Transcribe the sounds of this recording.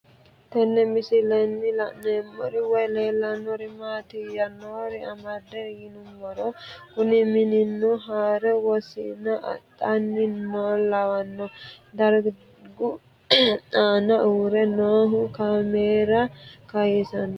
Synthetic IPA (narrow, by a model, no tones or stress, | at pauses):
t̪ɛnːɛmɪsɪlɛnːɪlɐnemːɔɾɪwɔjleːlːɐnːɔɾɪmaːt̪ɪjɐnoːɾɪɐmɐd̪ɛjɪnʊmːɔɾɔkʊnɪmɪnɪnːɔɦaːɾɛwɔsɪnɐ̰t̪ʼːɐnːɪmolɐwɐnːɔd̪ɐɾ | ɡʊ | tʼaːnɐʔuːɾɛnoːɦʊkameːɾɐkɐjɛsɐnɔ